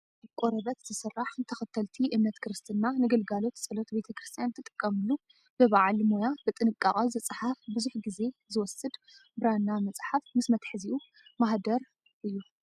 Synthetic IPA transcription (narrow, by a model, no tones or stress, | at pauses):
bkʼoɾɐβɐt̪z̥ɨsɨrːaħnɨt̪ʰɐxɐt̪ʰːɐlt̪ʰiʔɨmnɐt̪kʰɨɾɨst̪ʰɨnːanɨɡɐlɡalo̞t̪sʼɐlot̪be̞t̪ʰɐkʰɾɨst̪ʰjant̪ʰɨt̪ʼɨ̥kʼːɐmɨlːu | b̥ɨβaʕlmo̞jabɨt̪ʼɨnɨkʼːaχʼɐzɨt͡sʼħafbɨzuħɡize̞zɨwɔsɨd̪ | bɨɾanːamɐt͡sʼħafmɨsmɐt̪ħɨziʔu | maɦd̪ɐɾ | ʔɨjːu